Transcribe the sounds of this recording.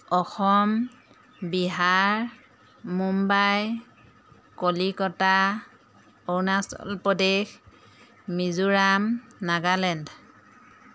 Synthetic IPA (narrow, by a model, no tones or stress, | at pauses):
ɔxɔm | biɦaɹ | mumbaj | kolikɔta | ownasɔ̰lpɔdex | mizuɹamnaɡalɛnd